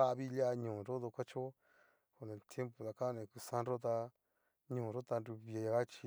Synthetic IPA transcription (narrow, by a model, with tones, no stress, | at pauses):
a˦˧βi˦˧la˦˧ɲũː˨ɾo˦ðo˧kʷa˦t͡ʃo˦ | ko˧˨nẽ˧˨t̪je˦mpo˨ða˨ka˦˧nẽ˧ku˧sã˦nɾo˦t̪̬a˧ | ɲũ˨ɾo˦t̪a˧nɾu˧βi˧e˧a˧ɣa˦t͡ʃi˧